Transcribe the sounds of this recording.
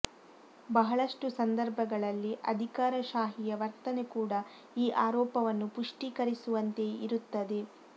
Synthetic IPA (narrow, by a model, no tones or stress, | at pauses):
bɐɦɐɭɐʂʈusɐnd̪ɐɾbʱɐɡɐɭɐlːiʔɐ̰d̪ʱikaːɾɐʃaːɦijɐʋɐɾt̪ɐnekuːɽɐ | iːʔaːɾɔːpɐʋɐnːupuʂʈiːkɐɾisuʋɐnt̪e̞iɾut̪ːɐd̪e̞